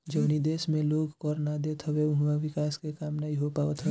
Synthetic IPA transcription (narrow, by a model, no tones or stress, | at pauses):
d͡ʒəʊnid̪eːsmẽloːɡkɔɾnad̪et̪ʰəbeʊɦmaʋɪkaːskekaːmnaɦĩɦopaːot̪ʰɦəe